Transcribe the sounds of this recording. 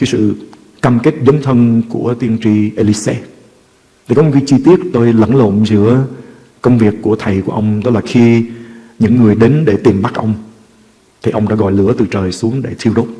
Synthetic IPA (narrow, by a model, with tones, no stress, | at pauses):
kaː˨˦jsɨ̰˧˨ | kaː˧mke˦˥t̚zə˨˦ŋ͡mt̪ʰə˧nku˧˩ət̪i˧ənt͡ɕi˧ʔe˧li˧˦sɛ˧ | t̪ʰi˨˩kɔ˨˦mo˨˩ka˨˦jt͡ɕi˧t̪i˦˥ət̚t̪o˧jlə̰˧˩nlo̰˧˨nzɨ̰˧˥ə | kə˧wŋ͡mvi˨˩əkːu˧˩ət̪ʰə˨˩jku˧˩əʔə˧wŋ͡mɗ̪ɔ˦˥laː˨˩xi˧ | ɲɨ̰˧˥ŋːɨ˨˩əjɗe˨˦nɗe˧˩t̪i˨˩mɓa˦˥k̚ʔə˧wŋ͡m | t̪ʰi˨˩ʔə˧wŋ͡mɗa̰ː˧˥ɣɔ̰˧˨jlɨ̰˧˩ət̪ɨ˨˩t͡ɕəː˨˩jsu˨˦əŋɗe˧˩t̪ʰi˧əwɗo˦˥t̚